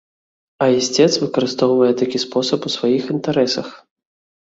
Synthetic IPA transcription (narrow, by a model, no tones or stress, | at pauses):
ɐisʲt͡sʲɛt̪svɨkɐɾɨst̪ɔwvɐjɛt̪akʲispɔsɐpusvajixint̪aɾɛsɐx